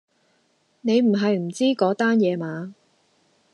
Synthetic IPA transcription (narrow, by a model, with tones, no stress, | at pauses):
ne˨˧jm̩˨˩ɦɐ˨jm̩˨˩t͡siː˥kɔː˨˥t̪aː˥njɛː˨˧maː˨˧